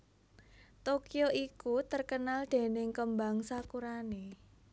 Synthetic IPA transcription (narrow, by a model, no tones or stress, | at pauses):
t̪okioʔikut̪ərkənald̪̥e̤nɪŋkəmbaŋsakuɾane